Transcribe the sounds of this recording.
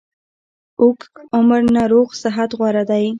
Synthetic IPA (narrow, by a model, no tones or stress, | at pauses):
ʊkʊməɾnaɾoɣsɪɦat̪ɣwɑɾad̪aj